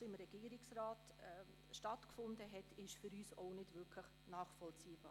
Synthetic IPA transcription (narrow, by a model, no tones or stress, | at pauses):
ɪmɾɛɡ̥iːɾɪksɾaːt | ɛ | ʃtɑtkfʊndəɦɛtʰɪʃfyɾyːsoʊnɪdvɪkʰləχ | nɑːχfɔlt͡siːb̥ɑ̰ː